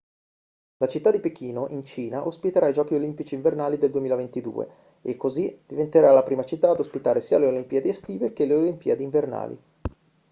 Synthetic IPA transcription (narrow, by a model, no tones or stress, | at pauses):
lat͡ʃit̪ːad̪ipek̟iːnoʔint͡ʃiːnaʔospit̪eɾaid͡ʒɔːk̟iolimpit͡ʃiːɱvernaːlid̪eld̪uemiːlavent̪id̪ṵːḛ | ekːozid̪̥ivent̪eɾalapɾiːmat͡ʃit̪ːaːd̪ospit̪aːɾesiːaleolimpiːed̪iest̪iːvekeleolimpiːed̪iːɱverna̰ːlḭ